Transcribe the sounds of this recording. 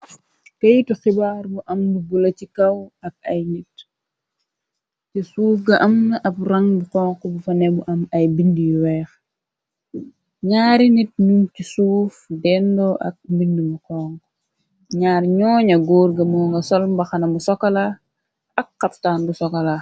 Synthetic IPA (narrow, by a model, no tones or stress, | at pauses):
kɐjtuxibaːɾbuʔɐmbubulɐcikɐwɐk̚ɐjnit̚ | cisuːfɡɐʔɐmnɐʔɐbrɐŋbuqɔːŋkɔbufɐnɛbuʔɐmɐjbindijwɛːx | ɲaːɾinit̚numcisuːfdɛndɔʔɐ̰k̚bindumuqɔŋk | ɲaːrɲɔːɲɐɡoːɾɡɐmɔːŋɡɐsɔlmbɐxɐnɐmusɔkɐla | ɐkːɐptaːnbusɔkɐla